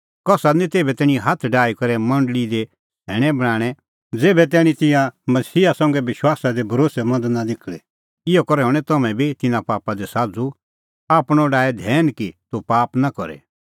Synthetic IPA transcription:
kɔsanĩt̪eːbɛt̪ɛːɽ̃ĩɦat̪ʰɖaːikɐɾɛmɐ̃ɳɖəlid̪e | ɦɛːɽ̃ɛbɐɽ̃aːɽ̃ɛ | d͡zeːbɛt̪̬ɛːɽ̃ĩt̪ɪ̃jãmɐsiːasɐ̃ːŋɡɛʋɪʃwaːsad̪ebʱɐɾoːsɛmɐ̃nd̪nad̪ɪkʰɭɛ | ɪɔkɔɾɛɦɔɽ̃ɛt̪ɐmɛ̃bʱit̪ɪnãpaːpad̪ɛsaːd͡zu | aːpɽ̃ɔɖaːd̪ʱɛːnkit̪upaːpnakɔɾɛ̰

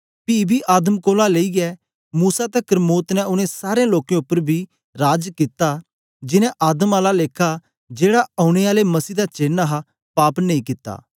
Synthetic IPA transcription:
piːbʱiʔaːd̪əmkoːlaleiɡɛː | muːsat̪ɛkəɾmoːt̪nɛʊnẽsaːɾeãloːkẽʊpːəɾbʱi | ɾaːd͡ʒkɪt̪a | d͡ʒɪnɛ̃ʔaːd̪əmaːlaleːkʰa | d͡ʒeːɽaʔɐːʊɽ̃eaːlemɐsiːd̪at͡ʃeːnaɦa | paːpnɐ̃ĩːkɪt̪ːa̰ː

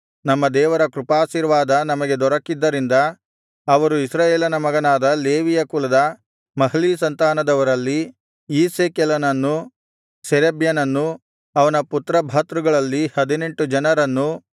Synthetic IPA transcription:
nɐmːɐd̪ɛːʋɐɾɐkɾupaːʃiɾʋaːd̪ɐnɐmɐɡe̞d̪ɔɾɐkːid̪ːɐɾind̪ɐː | ʋɐɾuisɾaːjeːlɐnɐmɐɡɐnaːd̪ɐleːʋijɐkulɐd̪ɐ | mɐɦliːsɐnt̪aːnɐd̪ɐʋɐɾɐlːi | iːseːkɛlɐnɐnːu | sɛɾebjɐnɐnːu | ɐʋɐnɐput̪ɾɐbʱaːt̪ɾuɡɐɭɐlːihɐd̪ine̞ɳʈud͡ʒɐnɐɾɐnːu

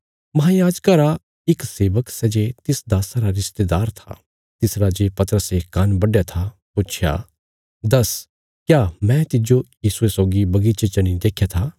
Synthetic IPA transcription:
mɐɦãjaːd͡ʒkaɾa | ɪkseːʋəksɛd͡ʒet̪ɪsd̪aːsaɾaɾɪst̪ed̪aːɾt̪ʰa̰ | t̪ɪsɾad͡ʒepɐt̪əɾəsekːanbɐɖjat̪ʰa | pʊt͡ʃʰja̰ | d̪ɐs | kjaːmɛ̃t̪ɪd͡ʒojiːsuesɔːɡibɐɡit͡ʃet͡ʃɐñĩd̪eːkʰjat̪ʰa

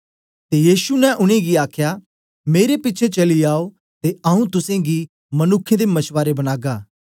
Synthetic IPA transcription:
t̪ejiːʃunɛ̃ʔʊɽ̃ẽɡiaːkʰja | meːɾepɪtːt͡ʃʰet͡ʃɐliaːo | t̪eɐũt̪ʊsẽɡi | mɐnʊkʰːẽd̪emɐt͡ʃʰʋaːɾebɐñaːɡaː

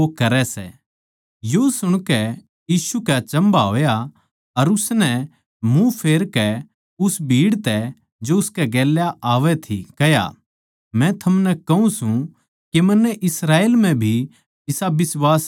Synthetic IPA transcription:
okɐɾɛsɛ̰ | josʊɽ̃kɛ | jiːsukat͡ʃɐ̃mbaɦo̰ːja | ɐɾʊsnɛ | mũpʰeːɾkɛ | ʊsbʱiːɽt̪ɛ | d͡ʒoʊskɛɡɛːljaʔaːʋɛt̪ʰḭkɐja̰ | mɛ̃t̪ʰɐmnɛkɐũsũ | kemɐnːɛʔɪsɾaːeːlm̤ɛ̃bʱi | ɪsabɪswaːs

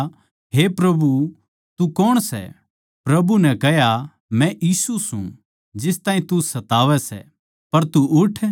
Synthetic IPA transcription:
ɦepɾɐbu | t̪ukɔɽ̃sɛ̰ | pɾɐbunɛ̃kɛɦja | mɛ̃ʔiːsusṵ̃ | d͡ʒɪst̪ãːĩt̪usɐt̪aːʋɛsɛ̰ | pɐɾt̪uʊʈʰ

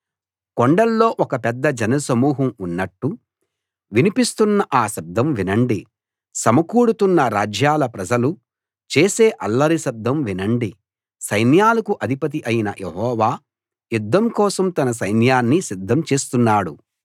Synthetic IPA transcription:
koɳɖɐlːo̞ːʔɔkɐpɛd̪ːɐd͡ʒɐnɐsɐmuːɦɐmunːɐʈːu | ʋinipist̪unːɐʔaːʃɐb̚d̪ːɐmʋinɐɳɖi | sɐmɐkuːɽut̪unːɐɾaːd͡ʒjaːlɐpɾɐd͡ʒɐlu | t͡ʃe̞ːse̞ːʔɐlːɐɾiʃɐb̚d̪ʱːɐmʋinɐɳɖi | sɐjnjaːlɐkuʔɐd̪ʱipɐt̪̬iʔɐjinɐ̰jʔḛɦɔːʋaː | jud̪ːɐmkɔːsɐmt̪ɐnɐs̬ɐjnjaːnːisid̪ʱːɐmt͡ʃe̞ːst̪unːaːɽu

